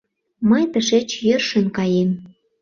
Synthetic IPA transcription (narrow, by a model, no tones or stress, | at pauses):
məjt̪əʃet͡ɕjørʃə̆nkɑjem